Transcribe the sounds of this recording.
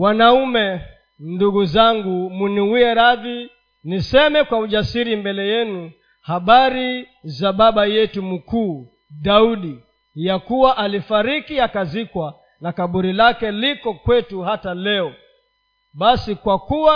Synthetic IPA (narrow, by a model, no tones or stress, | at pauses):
wanaumɛ | nduɡuzaŋɡumuniwiɛɾaði | nisɛmɛkwauʄasiɾimbɛlɛjɛnu | haɓaɾi | zaɓaɓajɛtum̩kuː | ɗauɗi | jakuwaʔalifaɾikiakazikwa | nakaɓuɾilakɛlikɔkwɛtuhatalɛɔ | ɓasikwakuwa